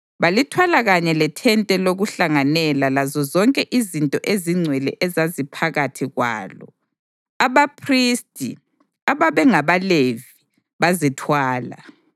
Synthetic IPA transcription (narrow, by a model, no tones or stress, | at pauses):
βalitʰwalaɣaɲɛlɛtʰɛntʼɛloɣuɬaŋanɛlalazɔzɔŋkʼɛʔizintʼɔʔeziŋ͡ǀʱwɛlɛʔɛzazipʰaɣatʰiɣwa̰ːlɔ̰ | aβapʰristʼḭ | aβaβɛŋaβalevi | βazitʰwaːla̰